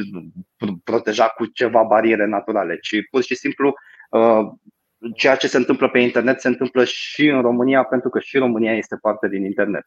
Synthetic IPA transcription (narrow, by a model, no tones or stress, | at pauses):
pɾo̞t̪e̞ʒakut͡ʃe̞vabaɾie̞ɾe̞nat̪uɾale̞t͡ʃipurʃisimplu | ə | t͡ʃe̞jat͡ʃe̞se̞ɨnt̪ɨmpləpe̞int̪e̞rne̞t̪seɨnt̪ɨmpləʃiɨnro̞mɨnijape̞nt̪ɾukəʃiɾo̞mɨnijaje̞st̪e̞part̪e̞d̪inint̪e̞rne̞̰t̪